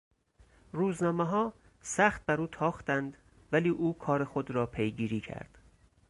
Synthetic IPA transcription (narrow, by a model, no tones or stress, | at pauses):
ɾuːznɒːmeɦɒː | sæxt̪̚bæɾuːt̪ʰɒːxt̪ænd̪ | væliːʔuːkʰɒːɾexo̞d̪ɾɒːpʰejɡiːɾiːcʰæ̰ɾd̪̥